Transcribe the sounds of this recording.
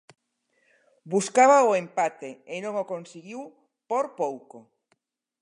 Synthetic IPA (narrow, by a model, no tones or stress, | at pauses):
buskaβaoempat̪eenõŋokõnsiɣiw | poɾpowko